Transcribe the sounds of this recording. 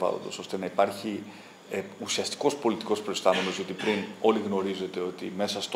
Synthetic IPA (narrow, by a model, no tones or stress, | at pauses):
vɐ̰lo̰nd̪oso̞st̪e̞nɐipɐɾçi | eusiɐst̪i̥ko̞spo̞lit̪iko̞spɾoest̪ɐme̞no̞zʝot̪ipɾino̞liɣno̞ɾize̞t̪e̞o̞t̪ḭme̞sɐst̪o